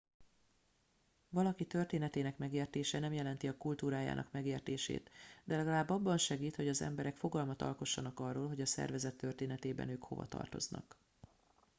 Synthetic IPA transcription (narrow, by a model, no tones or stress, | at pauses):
vɒlɒkit̪ø̞rt̪eːnɛt̪eːnɛkmɛɡeːrt̪eːʃɛnɛmjɛlɛnt̪iɒkult̪uːɾaːja̰ːnʔɒ̰kmɛɡeːrt̪eːʃḛːt̪d̪ɛlɛɡɒlaːbːɒbːɒnʃɛɡiːt̪ho̞ɟɒzɛ̰mbɛɾɛkfo̞ɡɒlmɒt̪ɒ̰lko̞ʃːɒnɒkɒrːoːlɦo̞ɟɒsɛ̰rvɛzɛt̪ːørt̪eːnɛt̪eːbɛ̰nøːkho̞̰vɒ̰t̪ɒ̰rt̪o̞znɒ̰k